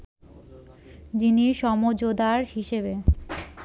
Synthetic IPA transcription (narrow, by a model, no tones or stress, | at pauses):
d͡ʑiniʃɔmod͡ʑod̪aɾhiʃebe